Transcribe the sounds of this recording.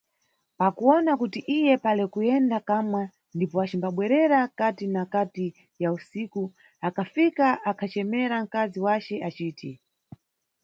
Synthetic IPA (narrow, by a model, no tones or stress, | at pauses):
pakuɔnakutiʔijɛpalɛkujɛndakamwa | ndipɔat͡ʃimbaɓwɛɾɛɾakatinakati | jausiːku | akʰafikaʔakʰat͡ʃɛmɛɾaŋ̩kaziwat͡ʃɛʔat͡ʃiːtʰɛ